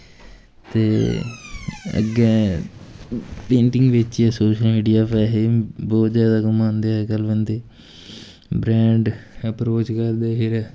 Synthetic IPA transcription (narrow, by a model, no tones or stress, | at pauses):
t̪eː | ə̰ɡɛː | pẽːɳʈɪ̃ŋɡʋɪt͡ʃɛːsoːʃəlmiːɖijaːpɛːɦebɔːt̪zjaːd̪aːkəmãːnd̪eaɛɡəlʋənd̪eː | bɾɛ̃ːɳɖəpɾoːt͡ʃkəɾd̪eːɦɪɾɛː